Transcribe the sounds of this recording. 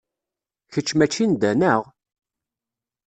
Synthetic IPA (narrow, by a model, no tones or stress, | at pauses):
çət͡ʃːmæt͡ʃːind̪ænəʁ